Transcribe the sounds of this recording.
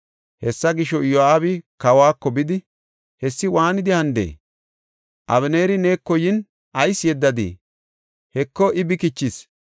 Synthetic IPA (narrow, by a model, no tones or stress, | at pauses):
hɛsːɐɡɪʃɔjɔaːβɪkɐwaːkːɔbɪd̪ɪ | hɛsːɪwaːnɪd̪ɪhɐnd̪ḛː | ʔɐβɛne̞ːɾɪneːkːɔjɪn | ʔɐjsjɛd̪ːɐd̪ḭː | hɛkːɔʔɪbɪkɪt͡ʃːɪs